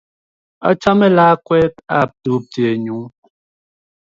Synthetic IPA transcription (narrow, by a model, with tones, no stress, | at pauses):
a̰˦t͡ʃa˦mɛ˦laː˦kwɛ˦ta˦˨p̚tu˨˦p̚te˨ɲu˨˦